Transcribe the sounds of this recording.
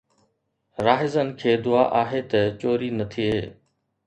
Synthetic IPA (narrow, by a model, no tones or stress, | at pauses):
ɾaːɦɪzənɪ̆kʰeːd̪ʊa̰ːʔaːɦet̪ɐt͡ɕoːɾinɐt̪ʰieː